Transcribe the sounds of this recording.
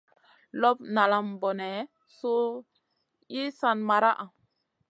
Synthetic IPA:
lɔ˦p̚na˨la˨mbo˨nɛ˨ | so˦ | ji˦sa˦nma˨ɾa˦ʔa˨

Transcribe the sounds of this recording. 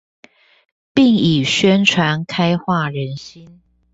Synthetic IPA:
pi˥˩ŋi˨˩ɕɥɛ˦nʈ͡ʂʰwa˧˥nkʰa˥ɪxwa˥˩˨ɻə˨˦nɕi˦n

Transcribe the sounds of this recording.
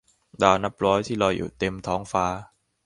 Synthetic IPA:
daː˧wna˦˥p̚ɾɔː˦˥jt̪ʰiː˥˩lɔː˧jṵː˨˩t̪e˧mt̪ʰɔː˦˥ŋfaː˦˥

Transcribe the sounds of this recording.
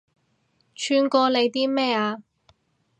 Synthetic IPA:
t͡ʃʰyː˧nkɔː˧le˨˧jt̪iː˥mɛː˥˩aː˧

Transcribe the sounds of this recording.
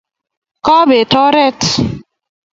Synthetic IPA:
kɔ˦be˨tɔ˦ɾɛ˦t

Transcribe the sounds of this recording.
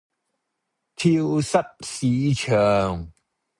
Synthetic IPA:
t̪ʰi˧wsɐ˦˥t̚si˨˦t͡ɕʰə˨˩ŋ

